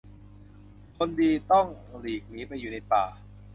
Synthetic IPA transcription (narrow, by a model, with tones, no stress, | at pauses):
kʰo˧ndiː˧t̪ɔ˥˩ŋliː˨˩k̚niː˦˥pa˧jːuː˨˩na˧jpaː˨˩